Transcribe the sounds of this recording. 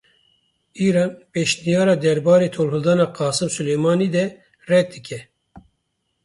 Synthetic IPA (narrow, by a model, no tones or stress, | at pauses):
iːɾɑːnpeːʃnijɑːɾɑːd̪ɛɾbɑːɾeːt̪ʰoːlhɨld̪ɑːnɑːqɑːsɨmsulejmɑːniːd̪ɛ | rɛk̚d̪ɨkʰʲɛ